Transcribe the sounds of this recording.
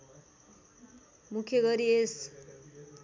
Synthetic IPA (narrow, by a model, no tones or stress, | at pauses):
mukʰjʌɡʌɾies